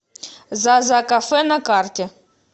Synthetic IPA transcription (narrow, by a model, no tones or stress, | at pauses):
zazakafɛnakart̪ʲe